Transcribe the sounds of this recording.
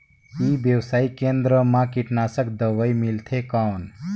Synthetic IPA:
ibjəwsaːikẽnd̪ɾəmãkiʈnasəkd̪əʋəimilt̪ʰekawn

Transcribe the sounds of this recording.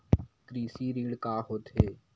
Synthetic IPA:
kɾiːsiːɾiːɽkaːɦoːt̪ɦeː

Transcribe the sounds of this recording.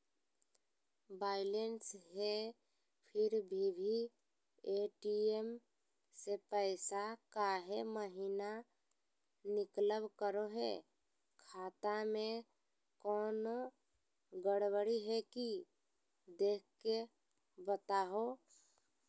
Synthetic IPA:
baːɪlensɦe | pʰɪɾbʱibʱi | eʈiem | sepəɪsakaɦeməɦina | nɪkləbkəɾoɦḛ | kʰat̪amẽ | kɔːno | ɡəɽbəɽiɦɛki | d̪eːk̚ʰke | bət̪aɦo

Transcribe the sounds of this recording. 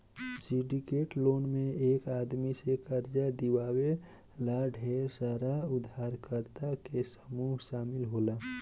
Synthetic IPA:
siɖikeːʈloːnmẽeːkaːd̪misekəɾd͡ʒad̪iwaːwe | laːɖʱesəɾaʊd̪ʱaːɾkəɾt̪akesə̥muːɦʃaːmɪlɦoːla

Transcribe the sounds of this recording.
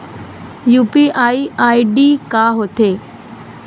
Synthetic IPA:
juːpiʔaːiaːiɖiːkaːɦot̪ʰeː

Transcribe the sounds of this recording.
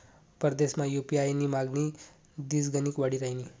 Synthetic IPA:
pəɾd̪esmajupiajnimaɡni | d̪is̬ɡənikʋaɽiɾaini

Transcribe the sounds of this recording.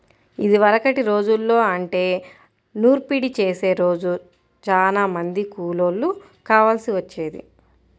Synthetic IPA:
id̪iʋɐɾɐkɐʈiɾo̞ːd͡ʒulːo̞ːɐɳʈe̞ː | nuːɾpiɽit͡ʃe̞ːse̞ːɾo̞ːd͡ʒu | t͡ʃaːnaːmɐnd̪ikuːloːlːu | kaːʋaːlsiʋɐt͡ʃːeːd̪ḭ

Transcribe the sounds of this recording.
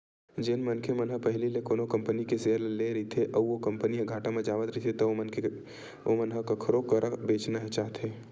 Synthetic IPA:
d͡ʒenmənkʰemənɦəpəɦɪlilekoːnokɐ̃mpənikeseːəɾleleɾɐit̪ʰeʔɐʋokɐ̃mpəniẽɡʱaːʈamẽd͡ʒaːʋət̪ɾəɦit̪ʰet̪ɐ | mənɦəkakʰəɾokəɾabeːt͡ʃnaɦet͡ʃaːɦt̪ʰeː

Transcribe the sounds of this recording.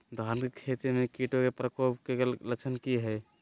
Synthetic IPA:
d̪ʱankekʰet̪imekiʈokepɾəkopkelət͡ʃʰənkiɦɛj

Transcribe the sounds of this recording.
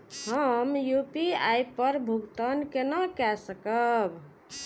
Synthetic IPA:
həmjupiajpəɾbʱuɡt̪ənkenəkɛsəkəb

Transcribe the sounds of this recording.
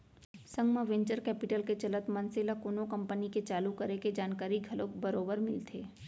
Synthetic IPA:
sɐ̃ŋɡmaʋɛ̃ːɲt͡ʃəɾkɛːpɪʈəlket͡ʃɐlət̪mɐ̃nselakoːnõkɐ̃mpəniket͡ʃaːlukɐɾeked͡ʒaːnkaːɾiɡʱɐlokbɐɾoːbəɾmɪ̰lt̪ʰeː

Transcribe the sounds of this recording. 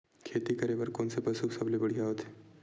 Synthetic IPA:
kʰeːt̪ikɐɾebɐɾkoːnsepɐsuksɐblebɐɽ̤ijaɦot̪ʰe̥

